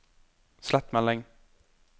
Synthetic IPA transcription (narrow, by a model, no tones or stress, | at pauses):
slɛt̪mɛlːɪŋ